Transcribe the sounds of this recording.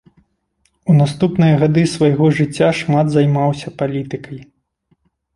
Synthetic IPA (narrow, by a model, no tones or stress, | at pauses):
unast̪upnɨjɐɣad̪ɨsvajɣɔʐɨt͡sʲːaʂmad̪zajmawsʲɐpalʲit̪ɨkɐj